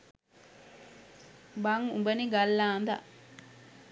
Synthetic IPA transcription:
baŋubɐniɡalːaːnd̪a̰ʔ

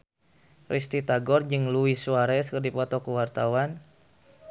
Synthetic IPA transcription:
rʔist̪it̪aɡɔrd͡ʒɨŋluisuaɾɛskərdipɔt̪ɔkuwart̪awan

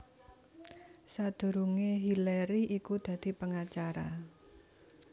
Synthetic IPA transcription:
sad̪̥ṳɾuŋeɦileɾiikud̪̥a̤d̪̥i̤pəŋat͡ʃaɾa̰

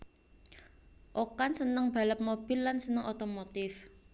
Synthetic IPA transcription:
ʔokansənəŋb̥a̤ləp̚mob̥ɪ̤lːansənəŋʔot̪omot̪ɪf

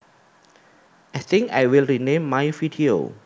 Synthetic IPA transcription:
ʔajθĩŋka̰jwilɹinẽmːajvidio̰

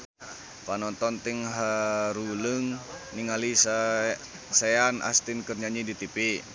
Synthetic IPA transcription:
panɔnt̪ɔnt̪iŋɦaɾuləŋniŋalis | saana̰st̪inkərɲaɲidit̪ipi

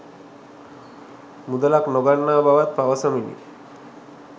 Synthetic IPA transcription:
mud̪alaknɔɡaɳːaːbʱaʋat̪̚paʋasaminḭ

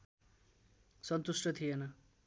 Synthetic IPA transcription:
sʌnt̪usʈʰʌt̪ʰijenʌ

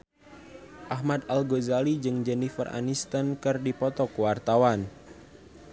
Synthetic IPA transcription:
ʔaɦmad̪alɡozalid͡ʒɨŋd͡ʒɛnifə̰ra̰nist̪ənkɨrdipɔt̪ɔkuwart̪awan

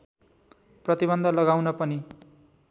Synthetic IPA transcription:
prʌt̪iβʌnd̪ʱʌlʌɡawnʌpʌni

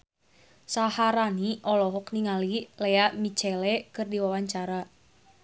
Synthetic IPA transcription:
sahaɾaniʔɔlɔɦɔkniŋalileamit͡ʃɛlekɨrdiwawaɲt͡ʃaɾa

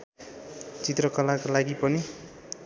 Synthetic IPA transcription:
t͡sit̪rʌkʌlakalaɡipʌni

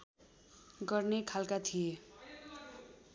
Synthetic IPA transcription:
ɡʌrnekʰalkat̪ʰije

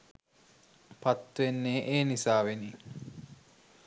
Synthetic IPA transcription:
pat̪ːʋenːeːʔeːnisaːʋeni

